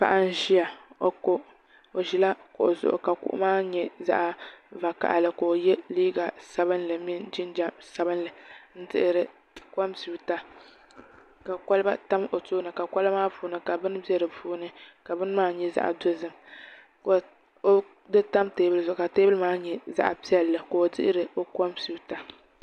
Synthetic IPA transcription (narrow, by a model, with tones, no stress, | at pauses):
pa̰˦ʔa˦n̩˦ʒi˦ja˨o˦ko˦ | o˨ʒi˦la˦ko˨ʔo˨zʊ̰˨ʔʊ̰˨ka˨kṵ˦ʔʊ̰˦maː˦ɲɛ˦za̰˦ʔa˨va˨ka̰˨ʔa˨lɨ˨ko˨o˨jɛ˦liː˦ɡa˨sa˦bɨ˦nlɨ˨mi˦nd͡ʒi˦nd͡ʒa˦sa˦bɨ˦n˦lɨ˨n̩˦tɨ̰˦ʔɪ˨ɾɨ˨ | ka˦msi˨bta˦ | ka˨kɔ˦lba˦ta˦mo˨toː˦nɨ˨ka˨ka˦lmaː˦puː˨˦nɨ˨ka˨bɨ˦n˦bi˦ɛ˦ɾɨ˨puː˦nɨ˦ka˨bɨ˦n˦maː˦ɲɛ˦za̰˦ʔa̰˨do˦zɨ˦m | ko˨ | o˦ | dɨ˦ta˦mteː˦bɨ˦lzʊ˨ʔʊ˨ka˨teː˦bɨ˦lmaː˦ɲɛ˨za̰˦ʔa̰˨pi˦ɛ˦lːɨ˨ko˨o˨dɨ̰˦ʔɪ˦ɾɨ˨o˦kɔ˦msi˨˦ta˨